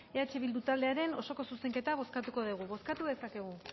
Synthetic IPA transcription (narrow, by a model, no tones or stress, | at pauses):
eat͡ʃe̞βild̪ut̪ald̪e̞aɾe̞no̞so̞ko̞suse̞ŋke̞t̪aβ̞o̞skat̪uko̞ðuɣ̞uβo̞skat̪uðesake̞ɣ̞u